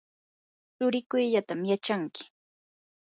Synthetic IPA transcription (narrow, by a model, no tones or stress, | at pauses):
t͡ʃʊɾɪkʊjʎat̪amjat͡ʃaŋkɪ̥